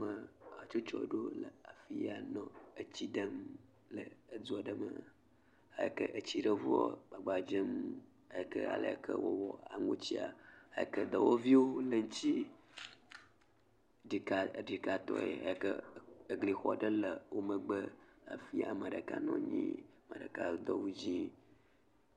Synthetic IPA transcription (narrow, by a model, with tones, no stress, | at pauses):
mə˨a˨t͡ʃo˦t͡ʃɔ˦ɖo˦lə˨a˨fi˦ja˨nɔ̃˦ə˨t͡ɕi˦ɖə˦m | lə˨ə˦d͡zu˦a˨ɖə˦mə˨ | a̰˨jə˨kə˦ʔə˨t͡ɕi˦ɖə˦vu˦ɔ˦ɡ͡ba˨ɡ͡ba˨d͡ʒə˦m | a˨jə˨kə̰˦a̰˨lə̰˨kʰə˦wo˦wɔ˨a˨ŋũ˦t͡ɕi˦a˨a˨jə˨kə˦d̪ə˨wo˦vi˦wo˦lə˨ŋ̩˦t͡ɕi˦ | ɖi˨ka˨ɖi˨ka˨t̪ɔ̰˦jḛ˨a̰˨jkə˦˨ɡli˨xɔ˨˦ɖə˦lə˨wo˦mə˨ɡ͡bə˦a̰˨fi˦a˨mə˨ɖə˨ka˦nɔ̰̃˦ɲḭ̃˦mə˨ɖə˨ka˦˨d̪ɔ˦wu˦d͡ʑi˦